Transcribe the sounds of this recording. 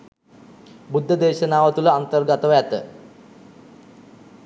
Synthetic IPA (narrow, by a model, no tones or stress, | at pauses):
bud̪ʱːəd̪eːʃənaːʋət̪uləant̪ərɡat̪əʋæt̪ə̰